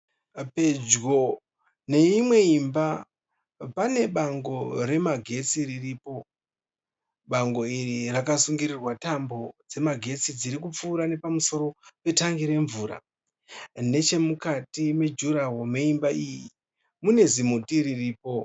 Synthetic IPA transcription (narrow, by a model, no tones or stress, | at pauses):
pe̞d͡ʒɡo | ne̞imwe̞imba | pane̞ɓaŋɡo̞ɾe̞maɡʱe̞t͡siririːpo̞ | ɓaŋɡo̞irirakasuŋɡiɾirwatambo̞d͡ze̞maɡʱe̞t͡sid͡ziɾikup͡fuːɾane̞pamuso̞ɾo̞pe̞taŋɡiɾe̞ɱvuːɾa̰ | ne̞t͡ʃe̞mukatime̞d͡ʒuɾawomeimbaʔiji | mune̞zimutiririːpo̞